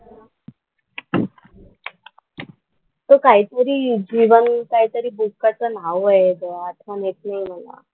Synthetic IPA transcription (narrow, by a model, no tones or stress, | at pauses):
t̪okaɦit̪əɾiːd͡ʑiʋənkaɦit̪əɾiːbukːat͡sənaʋeɡəat̪ʰʋanek̪naim̤əla̰